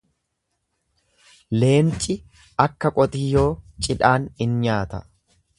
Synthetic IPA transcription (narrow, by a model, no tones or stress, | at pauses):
le̞ːnt͡ʃʼɪ | ʔɐkːɐkʼɔt̪ʼɪjo̞ːt͡ʃʼɪᶑaːnɪnɲaːt̪ɐ